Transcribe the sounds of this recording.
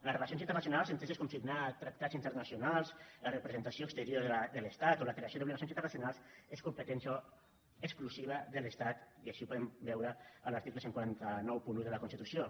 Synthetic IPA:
ləsrelasjonsint̪əɾrnas̬junalˠsənt̪ezeskuɱfiɾnat̪ɾak̚t̪azint̪əɾnəsjunalˠslərəpɾəzənt̪asiokst̪əɾjoɾðd̪ələst̪at̪oləkɾeasjoðuβliɣasonint̪ərnasjunalˠseskumpət̪ɛnsjo | əkskluziβ̞əðələst̪at̪iaʃipuðɛmbɛwɾəəlaɾt̪ikləseŋkwuaɾant̪ənɔwpunuðələkunst̪it̪usio

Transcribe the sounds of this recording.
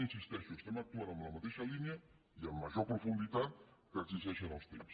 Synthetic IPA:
insist̪esust̪emak̚t̪uaɾamlamat̪eʃaliniə | iamːaʒoɾpɾofund̪it̪at̪̚kaɾt̪izaʃanalˠst̪ems

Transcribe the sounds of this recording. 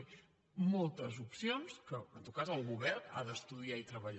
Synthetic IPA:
molˠt̪əzupsionskə̰nt̪ot̪̚kazəlˠɣuβɛrna̰ðəst̪uðiait̪ɾəβəʎ

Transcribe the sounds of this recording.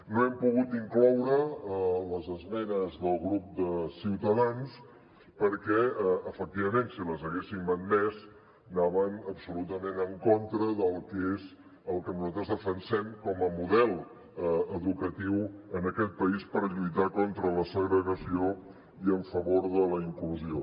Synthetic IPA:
noɛmpuɣut̪iŋklɔwɾəələzəzmɛnəzðəlˠɣɾup̚d̪əsiwt̪əðans | pəɾkɛəfək̚t̪iβəmensiləzəɣesimənmɛs | naβənəpsulut̪əmenəŋkɔnt̪ɾəðəlˠkez | əlˠkənuzat̪ɾəzðəfənsɛmkɔməmuðɛlˠ | əəðukət̪iwənəkɛt̪̚pəispəɾʎujt̪akɔnt̪ɾələsəɣɾəɣəsio | iəɱfəβoɾðələiŋkluzio

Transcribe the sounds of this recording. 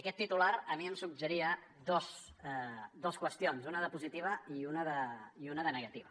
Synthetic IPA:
əkɛt̪ːit̪ulaɾəmiəmsuɡ̚ʒəɾiə | d̪os | ɛd̪oskwəst̪ionzunəðəpuzit̪iβ̞əiunəðəiunəðənəɣət̪iβə

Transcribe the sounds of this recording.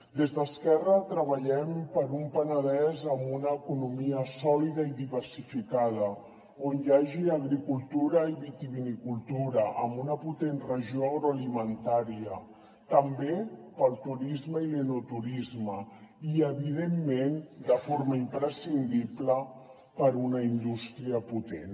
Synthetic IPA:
d̪ezðəskɛrət̪ɾəβəʎɛmpəɾumpənəðɛzəmbunəːkunumiəsɔliðəiðiβəɾsifikað̞ə | onjaʒiəɣ̞ɾikulˠt̪uɾəiβit̪iβinikulˠt̪uɾəʔəmbunəput̪enrəʒioəɣɾoəlimənt̪aɾiə | t̪əmbepəlˠt̪uɾizməilənut̪uɾizməiəβið̞emːend̪əfoɾməimpɾəsind̪iblə | pəɾunəind̪ust̪ɾiəput̪en

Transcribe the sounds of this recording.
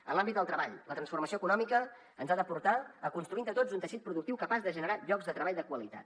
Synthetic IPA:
ə̰nlambit̪d̪əlˠt̪ɾəβaʎlət̪ɾənsfurməsioəkunɔmikə | ənzaðəpuɾt̪aəkunst̪ɾuind̪ət̪od͡zunt̪əʃit̪̚pɾuðuk̚t̪iwkəpazðəʒənəɾaʎɔɡzðət̪ɾəβaʎd̪əkwəlit̪a̰t̪

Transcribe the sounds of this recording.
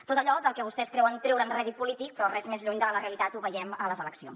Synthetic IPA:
t̪ot̪əʎɔðəlˠkɛβust̪ɛskɾɛwəŋt̪ɾɛwɾənrɛðit̪̚pulit̪ik̚pɾɔrɛzmezʎuɲd̪ələreəlit̪at̪uβəjɛmələzələksio̰n

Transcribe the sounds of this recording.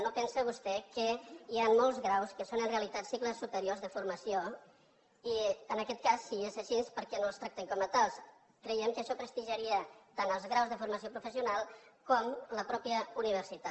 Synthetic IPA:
nopɛnsəβ̞ust̪ɛkəianmolˠzɣɾawskəsonənreəlit̪at̪sikləsːupəɾiorzðəfuɾməsio | iənəkɛt̪̚kasːiesəʃispəɾkɛnolˠst̪ɾak̚t̪eŋkɔmət̪alˠs | kɾəjɛmkəːʃɔpɾəst̪iʒəɾiət̪anəlˠzɣɾawzðəfuɾməsiopɾufəsiunalˠkɔmləpɾɔpjəuniβ̞əɾsit̪a

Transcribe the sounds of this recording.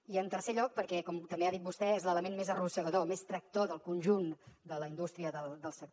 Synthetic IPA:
iənt̪əɾseʎɔk̚pəɾkɛkɔmt̪əmbeaðit̪̚bust̪ɛezlələmenmezərusəɣəðomest̪ɾək̚t̪oðəlˠkunʲʒund̪ələind̪ust̪ɾiəðəlˠd̪əlˠsək̚t̪

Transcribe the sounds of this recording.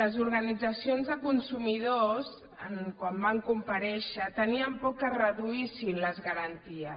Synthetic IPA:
ləzuɾɣənid͡zəsionzðəkunsumiðos | ənkwambaŋkumpəɾɛʃət̪əniəmpɔkːərəðuisinləzɣəɾənt̪iə

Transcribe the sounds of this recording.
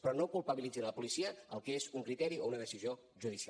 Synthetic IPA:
pɾɔnokulˠpəβilid͡zinləpulisiəəlˠkezuŋkɾit̪ɛɾiounəðəsizio | ʒuðisa

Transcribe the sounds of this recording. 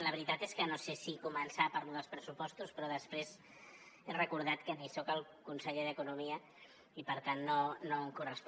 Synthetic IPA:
ləβɾit̪at̪eskənosesikumənsapaɾluðəlˠspɾəsupɔst̪uspɾɔðəspɾez | erəkuɾðat̪kənisɔkəlˠkunsəʎeðəkunumiə | ipəɾt̪anːonoəŋkurəsp

